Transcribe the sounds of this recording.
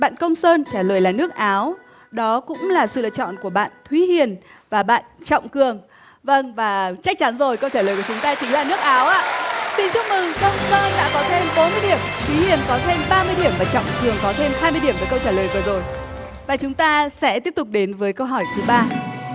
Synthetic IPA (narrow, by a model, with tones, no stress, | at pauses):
ɓa̰ː˧˨nkə˧wŋ͡msəː˧nt͡ɕaː˧˩ləː˨˩jlaː˨˩nɨ˦˥ək̚ʔaː˨˦w | ɗɔ˨˦kʊ̰˧˥ŋ͡mlaː˨˩sɨ̰˧˨lə̰ː˧˨t͡ɕɔ̰˧˨nku˧˩əɓa̰ː˧˨nt̪ʰwi˨˦hi˨˩ənvaː˨˩ɓa̰ː˧˨nt͡ɕɔ̰˧˨wŋ͡mkɨ˨˩əŋ | və˧nvaː˨˩t͡ɕa˦˥k̚t͡ɕa˨˦nzo˨˩jkə˧wt͡ɕaː˧˩ləː˨˩jku˧˩˨t͡ɕʊ˨˦ŋ͡mt̪aː˧t͡ɕï˨˦ŋ̟laː˨˩nɨ˦˥ək̚ʔaː˨˦wʔa̰ː˧˨si˧nt͡ɕʊ˦˥k͡p̚mɨ˨˩ŋkə˧wŋ͡msəː˧nɗa̰ː˧˥kɔ˨˦t̪ʰe˧mɓo˨˦nmɨ˧əjɗi˧˩əmt̪ʰwi˨˦hi˨˩ənkɔ˨˦t̪ʰe˧mɓaː˧mɨ˧əjɗi˧˩əmvaː˨˩t͡ɕɔ̰˧˨wŋ͡mkɨ˨˩əŋkɔ˨˦t̪ʰe˧mɦaː˧jmɨ˧jɗi˧˩əmvəː˨˦jkə˧wt͡ɕaː˧˩ləː˨˩jvəː˨˩zo˨˩j | vaː˨˩t͡ɕʊ˨˦ŋ͡mt̪aː˧sɛ̰˧˥t̪i˦˥əp̚t̪ʊ˨˩k͡p̚ɗe˨˦nvəː˨˦jkə˧wɦɔ˧˩jt̪ʰɨ˨˦ɓaː˧